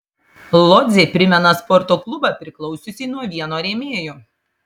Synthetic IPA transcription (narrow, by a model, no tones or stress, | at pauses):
lˠɔd̪zʲepʲɾʲɪmʲɛnɐspɔɾt̪oːklˠʊbɐpʲɾʲɪklˠɔʊsʲʊsʲiːnuɔʋʲiɛnoːɾʲeːmʲeːjoː